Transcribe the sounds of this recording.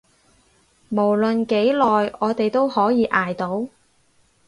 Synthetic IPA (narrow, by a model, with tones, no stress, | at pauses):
mo˨˩wlɵ˨nke˨˥jlɔː˨jɔː˨˧t̪e˨jt̪o˥whɔː˨˥jiː˨˧ʔaː˨˩jt̪o˨˥w